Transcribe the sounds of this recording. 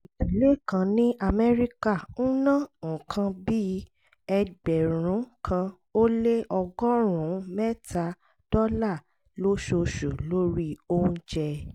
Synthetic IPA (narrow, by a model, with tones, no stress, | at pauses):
i˨i˨le˦˨kã˧nĩ˦a˧mɛ˦ɾi˦ka˦˨n̩˦nã˦˨ŋ̩̃˨kʰã˧bi˦ | ɛ˧ɡ͡bɛ˨ɾ̃ũ˨˦kʰã˧ | o˦le˦ʔɔ˧ɡɔ˦ɾ̃ũ˨˦mɛ˦tʰa˧ | d̥ɔ˦la˦˨ | lo˦ʃo˧ʃu˨lo˦ɾi˦o˦ũ˦d͡ʒɛ˧